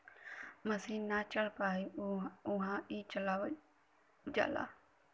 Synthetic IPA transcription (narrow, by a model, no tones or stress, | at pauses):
məsĩːnaːt͡ʃəɭ̤paːiːʊɦãːiːt͡ʃəlaːʋ | d͡ʒa̰ːla̰ː